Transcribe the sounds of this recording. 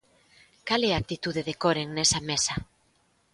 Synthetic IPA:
kaleak̚t̪it̪uðeðekoɾeŋnesamesa

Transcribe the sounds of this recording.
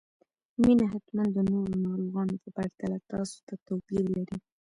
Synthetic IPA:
minaɦat̪mand̪d̪ənoɾonɑɾoɣɑnopəpaɾt̪alat̪ɑso̥t̪at̪apiɾlaɾi

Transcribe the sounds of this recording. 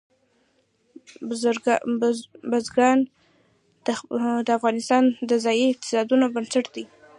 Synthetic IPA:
bazɡɑn | d̪əafɣɑnɪst̪ɑnd̪əzɑjiɪq̚t̪ɪ̥sɑd̪unobənsaʈd̪i

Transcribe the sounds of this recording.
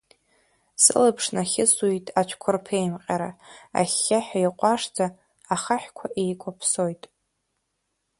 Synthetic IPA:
sɨ̰lɨpʰʂnaχʲɪsuitʼat͡ʃʷʰkʷʰʊrpʰejmqʲʼaɾaa̰χʲːaħᶣajqʷʼaʂd͡zaː | χaħkʷʰaʔejkʷʰʼapʰsojtʼ

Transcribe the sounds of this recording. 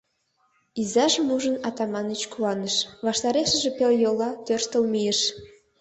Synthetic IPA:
izɑʒəmuʒə̆nɑt̪ɑmɑnət͡ɕkuɑnə̆ʃβɑʃt̪ɑɾeʃə̆ʒĕpeljolːɑt̪ørʃt̪ə̆lmijəʃ

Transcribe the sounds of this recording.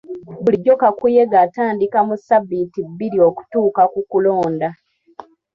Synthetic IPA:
buliɟːo̞kakuje̞ɡataːndikamusabːitibːiɾio̞ku̥tuːkakukulo̞ːnda

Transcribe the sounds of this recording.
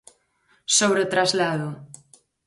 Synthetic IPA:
soβɾeot̪ɾazlaðʊ

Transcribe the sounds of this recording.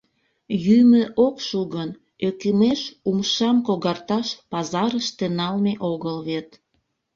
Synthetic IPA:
jyməʔokʃuɣən | økemeʃumʃɑmkoɣɑrt̪ɑʃpɑzɑɾəʃt̪enɑlmeʔoɣəlβet̪

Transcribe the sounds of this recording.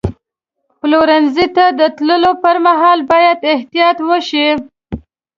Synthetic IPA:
ploɾanzit̪ad̪ət̪ləlopəɾmaɦɑlbɑjad̪ɪht̪ijɑt̪wəʃi

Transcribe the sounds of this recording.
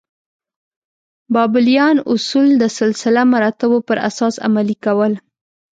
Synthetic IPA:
bɑbɪlijɑnʊsuld̪əsɪlsɪlamaɾɑt̪awopəɾa̰sɑsa̰malikawəl

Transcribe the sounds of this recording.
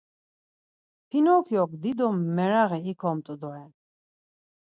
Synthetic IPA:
pʰinɔːkʰjɔk̚ʰd̪id̪ɔmːɛɾaɣɛikʰɔmt̪ʼud̪ɔɛn

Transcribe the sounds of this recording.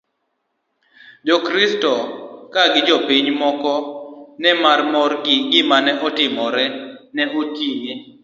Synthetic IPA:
dɔkɾistɔkaɡɪd͡ʒɔpiɲmɔkɔnɛmarmɔrɡɪɡɪmanɛʔɔtɪmɔɾɛnɛʔotije

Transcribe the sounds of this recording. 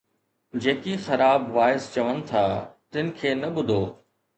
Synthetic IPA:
d͡ʑeːkixɐɾaːbʋaːɪst͡ɕɐʋənɪ̆t̪ʰaːt̪ɪnɪ̆kʰeːnɐɓʊd̪ʱoː

